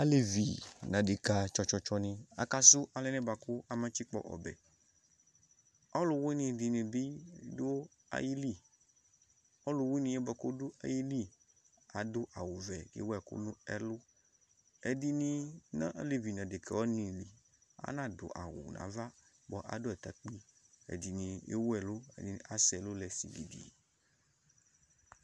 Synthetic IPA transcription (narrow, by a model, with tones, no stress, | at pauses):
a˦le˨vi˨nã˨de˨ka˨t͡ʃɔ˦t͡ʃɔ˦t͡ʃɔ˦nĩ˦a̰˦ka˦su˦ʔa˨le˦nɛ̃˦ba˨ku˦a˨mã˦t͡ʃi˦k͡pɔ̰˦ʔɔ̰˨bɛ̰˨ | ɔ˦lo˨we˦nĩ˨di˨nẽ˨bi˦do˦ | a̰˨ji˦li˦ | ɔ˦lo˨we˦nĩ˨ɛ˦bɛ˨ko˦do˦a̰˨ji˦li˦ | a˨d̪o˦ʔa˨wu˨vɛ˨ɡḛ˦wo˦ɛ˨ko̰˦nũ˦ɛ˦lo˦ | ɛ˨di˦nĩ˨nã̰˦ʔa˦le˦vi˨nã˨de˨kɛ˨wɔ˦nĩ˨li˨ | a̰˦nã˦do̰˨ʔa̰˨wṵ˨nʔã̰˨˦va˦ | bɔ˦ʔa̰˨do˦ɛ˨t̪a˨k͡pi˦ḛ˨di˨nĩ˨jḛ˦wɛ˨lo˦ɛ̰˨di˦n˨ʔa˦sɛ˨lo˦lɛ˨sḭ˨di˨dḭ˨